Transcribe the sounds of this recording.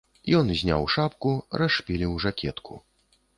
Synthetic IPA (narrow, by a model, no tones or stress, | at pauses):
jɔnzʲnʲa̰wʂapkuraʂpʲilʲiwʐakʲʰɛt̪kʰṵ